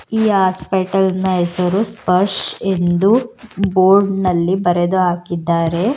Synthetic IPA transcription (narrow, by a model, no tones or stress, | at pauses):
iːɦaːspeʈɐlnɐesɐɾuspɐɾʂend̪uboːɾɖnɐlːibɐɾed̪uɦaːkid̪ːaːɾe̞